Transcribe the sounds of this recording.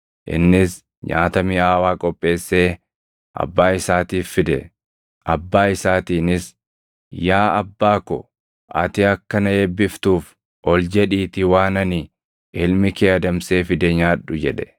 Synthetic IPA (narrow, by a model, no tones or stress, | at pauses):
ʔɪ̰nːɪs | ɲaːt̪ɐmɪaːwaːkʼɔpʼːe̞ːsːe̞ː | ʔɐ̰bːaːɪsaːt̪iːfːɪd̪ɛ̰ | ʔɐ̰bːaːɪsaːt̪iːnɪs | jaːɐbːaːkɔ̰ | ʔɐ̰t̪ɪɐkːɐnɐebːɪft̪uːf | ʔɔld͡ʒɛᶑiːt̪ɪwaːnɐnɪ | ʔɪlmɪkeːɐd̪ɐmse̞ːfɪd̪ɛɲaːᶑːʊd͡ʒɛᶑɛ̥